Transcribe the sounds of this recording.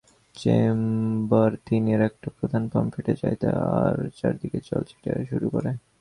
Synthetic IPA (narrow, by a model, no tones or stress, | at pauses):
t͡ɕembaɾt̪inieɾɛk̚ʈapɾod̪ʱanpɔmfiʈet͡ɕajt̪eaɾt͡ɕaɾd̪iket͡ɕɔlt͡ɕʰi̥ʈaʃuɾukoɾe